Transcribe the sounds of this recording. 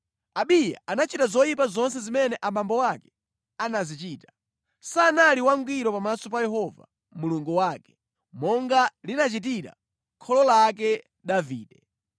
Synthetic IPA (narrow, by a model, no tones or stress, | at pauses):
aɓija̰ʔanat͡ʃitazɔjip̬azɔnsɛzimɛnɛʔamambɔwakɛ̥ | anazit͡ʃiːtḁ | sanaliwaŋɡwiɾɔpamasɔp̬ajɛɦɔva̰ | muluŋɡuwakɛ̥ | mɔŋɡalinat͡ʃit̬iɾa̰ | kʰɔlɔlak̬ɛ | ɗaviːɗɛ